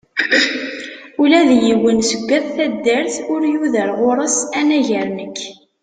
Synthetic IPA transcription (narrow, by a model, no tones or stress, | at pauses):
ulæðjiwːənsəɡʷːæðθæd̪ːəɾθʊɾjuðəɾʁʊɾˤəsænæʝəɾnəkː